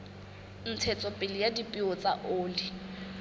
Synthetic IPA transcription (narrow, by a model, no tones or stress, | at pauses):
n̩t͡sʰɛt͡sʼɔpʼɪlɪjadipʼiɔt͡sʼaʔoːli